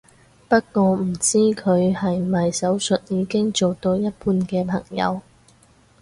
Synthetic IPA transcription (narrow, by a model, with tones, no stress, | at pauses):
pɐ˥t̚kɔː˧m̩˨˩t͡siː˥kʰɵ˨˧ɥhɐ˨jmɐ˨jsɐ˨˥wsɵ˨t̚jiː˨˧kɪ˥ŋt͡ʃo˨wt̪o˧wjɐ˥t̚puː˧nkɛː˧pʰɐ˨˩ŋjɐ̰˨˧w